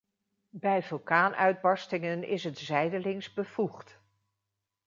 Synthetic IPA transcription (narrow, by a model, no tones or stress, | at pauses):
bɛjvɵlˠkaːnʔœɥd̚bɑɹstɪŋənɪ̰sɦətzɛjdəlɪŋzbəvuχt